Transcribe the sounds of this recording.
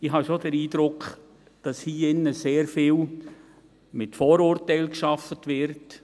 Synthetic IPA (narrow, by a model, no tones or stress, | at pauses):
ɪhɑʃod̥əɾiːdɾʊkχ | d̥ɑshiːɪnːəseːɾfɪːl | mɪtfoːɾʊːɾtɛɪlkʃɑfətʋɪɾt